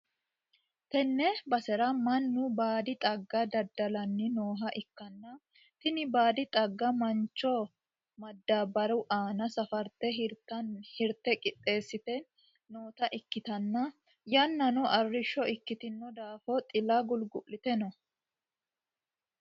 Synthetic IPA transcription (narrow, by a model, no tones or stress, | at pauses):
t̪ɛnːɛbɐsɛɾɐmɐnːʊbaːd̪ɪt̪ʼɐɡːɐd̪ɐd̪ːɐlɐnːɪnoːɦɐʔɪkːɐnːɐ | t̪ɪnɪbaːd̪ɪt̪ʼɐɡːɐmɐnt͡ʃːɔ | mɐd̪ːaːbɐɾʔaːnɐsɐfɐɾt̪ɛɦɪɾt̪ːɐnhɪɾt̪ːɛkʼɪt̪ʼːe̞ːsːɪt̪ɛ | noːt̪ɐʔɪkːɪt̪ɐnːɐ | jɐnːɐnɔʔɐrːɪʃːɔɪkːɪt̪ɪnːɔd̪aːfɔt̪ʼɪlɐɡʊlɡʊʔlːɪt̪ɛnɔ